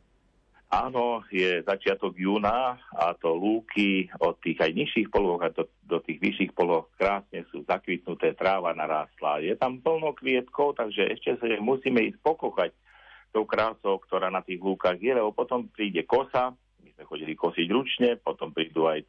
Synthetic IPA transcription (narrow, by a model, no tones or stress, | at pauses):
aːnɔjɛzat͡ʃɪat̪ɔɡjuːnaa̰t̪ɔluːkʰiɔt̪ːiːɣajɲiʃiːxpɔlʋɔɣad̪ɔ | d̪ɔt̪iːɣʋiʃiːxpɔlɔxkɾaːsɲɛsṵːzakʋit̪nut̪ɛːt̪ɾaːʋanaɾaːst̪la̰jɛt̪ampl̩nɔʊkʋɪɛt̪kɔʊt̪aɡʒɛʔɛ̰ʃcɛsmusiːmɛiːs̚pɔkɔxac | t̪ɔʊkɾaːsɔʊkt̪ɔɾaːnat̪iːɣluːkaɣjɛlɛbɔpɔt̪ɔmpɾiːɟɛkɔsa | mizmɛxɔɟilikɔsiɟɾut͡ʃɲɛpɔt̪ɔmpɾiːd̪uːaj